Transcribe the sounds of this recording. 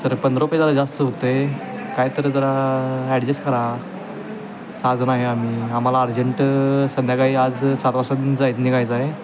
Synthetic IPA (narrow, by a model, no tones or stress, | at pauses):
səɾpənd̪ɾopəd͡zalad͡zast̪əɦot̪e | kajt̪əɾəd͡zəɾaɛɽd͡ʑeskəɾa | sad͡znaɦeam̤iam̤alaːɾd͡ʑəɳʈsənjakaiːad͡zsat̪ʋasad̪iːnd͡zajit̪nikajd͡zae